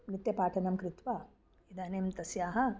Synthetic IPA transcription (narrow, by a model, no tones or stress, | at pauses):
nit̪jɐpaːʈʰɐnɐmkɾɪt̪ʋa | id̪aːneːmt̪ɐsjaːɦɐ̆